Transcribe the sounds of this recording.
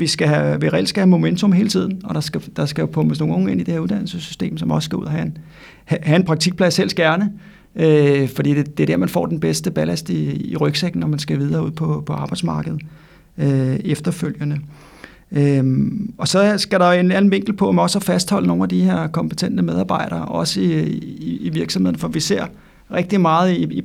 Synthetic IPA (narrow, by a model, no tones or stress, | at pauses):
ʋisɡ̥æɦæʋiʁɛ̰ld̥sɡ̥æhæmo̝ment͡sʰo̽mɦe̝ːlət͡sʰið̞̰ˠn̩ɒ̽ɾ̥ɑ̈sɡ̥æd̥ɑ̈sɡ̥æjo̝pʰɔ̽məsno̝ːŋːŋ̩e̝n̰id̥e̝heɐuðˠd̥æn̰l̩səsy̥sd̥e̝̰ːmsɒ̽mɒ̽sə̥sɡ̥æṵð̰ˠɐɦæn | hæhæenpʰʁɑ̈ɡ̚t͡sʰiɡ̥̚pʰlæsel̰sɡ̥æɐnə | øfɒ̽d̥ḭːd̥e̝d̥e̝ɐd̥æɐmænfɒ̰ːd̥enb̥esd̥əb̥ælæsd̥iiʁœɡ̥seɡ̥n̩nɒmænsɡ̥æʋið̞ˠɐːuð̰ˠpʰɒ̽pʰɒ̽ɑ̈ːb̥ɑ̈ɪd̥smɑ̈ːɡ̥əð̩ˠ | øefd̥ɐføl̰jənə | ø | ɒ̽sɒ̽sɡ̥æɾɑenæn̩ʋe̝ŋ̰ɡ̥l̩pʰɒ̽mɒ̽sæfæsd̥hɒ̽l̰əno̝ːnæd̥ihe̝ɐ̰kʰɒ̽mpʰət͡sʰen̰d̥əmeð̞ˠɑ̈ːb̥ɑ̈ɪ̰ɾ̥ɐːʔɒ̽səiiiʋiɐɡ̥sɒmhe̝ð̰ˠn̩fɒʋise̝ɐ̰ | ʁɛɡ̥̚d̥imɑ̈ːð̞̩ˠiii